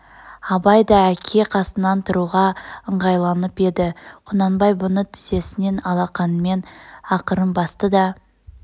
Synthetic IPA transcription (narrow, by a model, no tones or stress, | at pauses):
ɑbɑjd̪ɑækʲʰe̞qʰɑsənːɑnt̪ʰʊɾuʁɑəɴʁɑjlˠɑnəpe̞d̪ɪqʰʊnɑnbɑjbʊnət̪ʰɪ̥ze̞sɪne̞nɑlˠɑqɑnəme̞nɑqəɾəmbɑst̪əd̪ɑ